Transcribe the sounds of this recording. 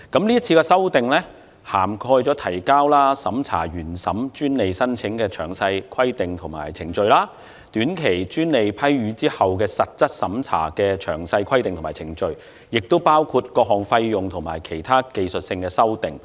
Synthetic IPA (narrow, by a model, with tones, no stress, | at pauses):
kɐ˨˥mliː˥ɐ˥t͡sʰiː˧kɛ˧sɐ˥wt̪ɪ˨˩ŋlɛː˥ | haː˨˩mkʰɔː˧jt͡sɔ˨˥t̪ʰɐ˨˩jkaː˥wlaː˥sɐ˨˥mt͡sʰa̰ː˨˩ɥyː˨˩nsɐ˨˥mt͡ʃyː˥nle˨˧jsɐ˥nt͡sʰɪ˨˥ŋkɛː˧t͡ʃʰœː˨˩ŋsɐ˧jkʰɐ˥jt̪ɪ˨ŋt̪ʰʊ˨˩ŋma̰ː˨˩jt͡sʰɪ˨˩ŋt͡ʃɵ˧ɥlaː˥ | t̪yː˨˥nkʰe˨˩jt͡ʃyː˥nle˨˧jpʰɐ˥jɥyː˨˥t͡siː˥hɐ˨wkɛː˧sɐ˨t̚t͡sɐ˥t̚sɐ˨˥mt͡sʰa̰ː˨˩kɛː˧t͡ʃʰœ̰ː˨˩ŋsɐ˧jkʰɐ˥jt̪ɪ˨ŋt̪ʰʊ˨˩maː˨˩jt͡sʰɪ˨˩ŋt͡ʃɵ˧ɥ | jɪ˨k̚t̪o˥wpaː˥wkʰu˧t̚kɔː˧k̚ɦɔː˨˩ŋfɐ˧jjʊ˨ŋt̪ʰʊ˨˩ŋmaː˨˩jkʰe˨˩jt̪ʰaː˥ke˨jsɵ˨t̚sɪ˧ŋkɛː˧sɐ˥wt̪ɪ˨ŋ